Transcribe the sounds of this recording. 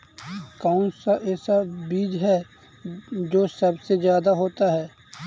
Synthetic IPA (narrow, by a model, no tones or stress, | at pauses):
kaːʊnsaʔɛːsabiːd͡ʒɦɛ | d͡ʒoːsəbsezjaːd̪aɦoːt̪aɦɛː